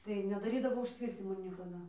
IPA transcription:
tɐɪ nʲɛdɐˈrʲiːdɐʋoː ʊʃʲˈtʲʋʲɪrʲtʲɪnʲɪmoː nʲiɛkɐˈdɐ

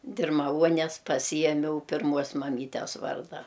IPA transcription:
dʲɪrmɐˈʋuɔnʲɛs pɐˈsʲɪjɛmʲɛʊ pʲɪrˈmuɔs mɐˈmʲiːtʲɛs ˈʋɐrdɐ

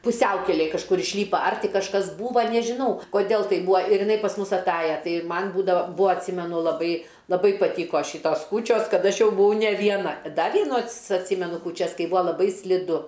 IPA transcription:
pʊˈsʲɛʊkʲɛlʲeːj kɐʃˈkʊr ɪʃʲˈlʲiːpɐ ɐr ˈtʲiː kɐʃˈkɐs ˈbuːʋɐ nʲɛʒʲɪˈnɐʊ koːˈdʲɛlˠ ˈtɐɪp ˈbuːɐ ɪr jɪˈnɐɪ pɐs ˈmʊs ɐˈtɑːjɛ ˈtɐɪ ɪr ˈmɐn ˈbuːdɐʋɐ ˈbuːɐ ɐtʲˈsʲiːmʲɛnʊ lˠɐˈbɐɪ lˠɐˈbɐɪ pɐˈtʲiːkoː ˈʃʲɪtoːs ˈkuːt͡ʃʲoːs ˈkɐt ˈɐʃ ˈjɛʊ bʊˈʋɐʊ nʲɛ ʋʲiɛˈnɐ ˈdɐ ʋʲiɛˈnuː ɐts ɐtʲˈsʲiːmʲɛnʊ kuːˈt͡ʃʲɛs ˈkɐɪ ˈbuːɐ lˠɐˈbɐɪ sʲlʲɪˈdʊ

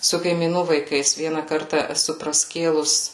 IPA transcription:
sʊ kɐɪmʲiːˈnuː ʋɐɪˈkɐɪs ˈʋʲiɛnɐ ˈkɐrtɐ ɛˈsʊ prɐˈsʲkʲeːlˠʊs

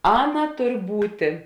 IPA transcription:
ˈɑːˌnɐ ˈtʊr ˈbuːtʲeː

